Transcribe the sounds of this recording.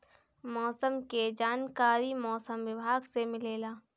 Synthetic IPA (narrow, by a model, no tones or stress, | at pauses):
mɔːsəmked͡ʒaːnkaːɾimɔːsəmwɪbʱaːɡsemɪleːlaː